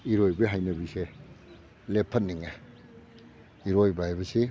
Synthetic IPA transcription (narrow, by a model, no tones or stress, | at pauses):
iɾojbɐɦajnɐbise | lepʰːɐnːiŋa | iɾojbaeβɐsi